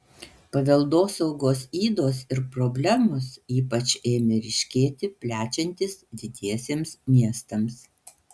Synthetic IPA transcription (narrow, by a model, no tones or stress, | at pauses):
pɐʋʲɛlˠd̪oːsɐʊɡoːsiːd̪oːsɪɾpɾɔbʲlʲɛmʊsiːpɐt͡ʃʲeːmʲɪɾʲɪʃʲkʲeːt̪ʲɪpʲlʲæːt͡ʃʲɛnʲt̪ʲɪsd̪ʲɪd̪ʲiɛsʲeːmsmʲiɛst̪ɐms